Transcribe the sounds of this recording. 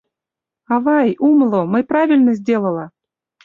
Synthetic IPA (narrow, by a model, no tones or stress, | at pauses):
avajumlˠomɨpɾavʲilʲnəzʲdʲelˠəlˠa